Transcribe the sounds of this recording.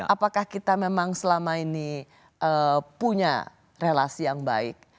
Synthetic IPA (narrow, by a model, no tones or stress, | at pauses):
apakahkit̪amemaŋsəlamaini | ʔəpuɲa̰ | relasijaŋba̰ɪ̰k̚